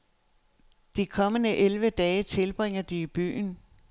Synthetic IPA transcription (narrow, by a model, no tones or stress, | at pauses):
d̥ikʰɒ̽mənəʔelʋəd̥ɛːt͡sʰe̝lb̥ʁeŋ̰ɐd̥iib̥y̰ːn